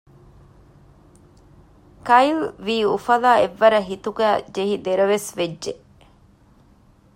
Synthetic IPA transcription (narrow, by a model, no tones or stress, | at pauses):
kɐjlʋiːufɐlaːeʋːɐɾɐɦit̪uɡæːd͡ʒeɦid̪eɾɐʋesʋedʒe